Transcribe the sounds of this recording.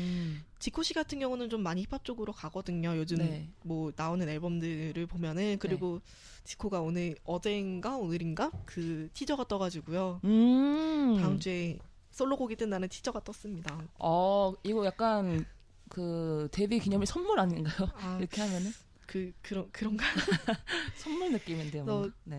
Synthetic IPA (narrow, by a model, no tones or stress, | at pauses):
t͡ɕikʰoɕ͈ʰiɡatʰɯnŋɡjʌŋunɯnt͡ɕomːaɲiipʰap̚t͡ɕ͈oɡɯɾokaɡʌdɯɲojod͡ʑɯmmːwʌnaonɯne̞ɭbʌmdɯɾɯɭpomjʌnɯnkɯɾiɡo | t͡ɕi̥kʰoɡaonɯɭʌd͡ʑe̞nɡaonɯɾinɡakɯtʰid͡ʑʌɡat͈ʌɡad͡ʑiɡujoɯ | taɯnd͡ʑue | s͈oɭːoɡoɡit͈enanɯntʰid͡ʑʌɡat͈ʌs͈ɯmɲidaʌiɡʌjak̚k͈an | kɯte̞bikiɲʌmisʰʌnmuɾaɲinɡajoaiɾʌkʰe̞hamjʌnɯn | kɯkɯɾʌkɯɾʌŋɡa | sʰʌnmuɭnɯk͈imjʌndeʌne